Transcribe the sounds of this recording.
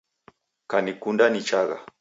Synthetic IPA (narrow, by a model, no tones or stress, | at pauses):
kanikundanit͡ʃaɣa̰